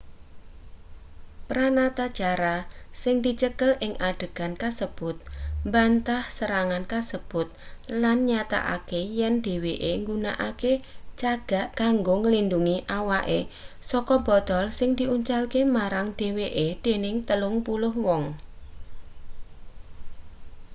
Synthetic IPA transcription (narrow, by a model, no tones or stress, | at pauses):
pɾanat̪ḁt͡ʃaɾasɪŋd̪̥i̤t͡ʃəkəlɪŋʔaɖ̥əɡ̥ankasəb̥ʊt̪̚mbant̪ahsəɾaŋankasəb̥ʊt̪̚lanɲat̪a̰ʔa̰kejɛnɖ̥e̤weʔeŋɡunaʔaket͡ʃaɡ̥a̤ʔkaŋɡoŋəlinduŋiʔawaʔesɔkɔbɔ̤d̪̥ɔlsɪŋd̪̥iʔuɲt͡ʃalkemaɾaŋd̪̥e̤weʔed̪̥enɪŋt̪əlʊŋpulʊhwɔŋ